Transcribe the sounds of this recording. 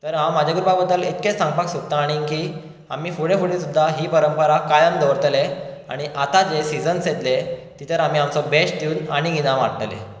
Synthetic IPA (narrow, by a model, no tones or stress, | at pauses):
t̪əɾɦãwmad͡ʑʱaɡɾupabəd̪ːəlet̪̚ket͡ssãŋɡ̚paksut̚t̪aːɽ̃ikiː | amiːfuɽefuɽesud̪ʱːaɦiːpəɾəmpəɾakajəmd̪əʋɾt̪lea̰ɽ̃iʔat̪ad͡zesid͡zənset̪let̪it̪ʰəɾam̤iːamt͡sɔbeɕʈt̪iːnaɽ̃iɡinãʋaɽʈ̪lḛ